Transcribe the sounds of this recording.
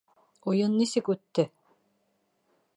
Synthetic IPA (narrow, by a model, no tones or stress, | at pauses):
ujɤnːisɘkʉt̪ːɘ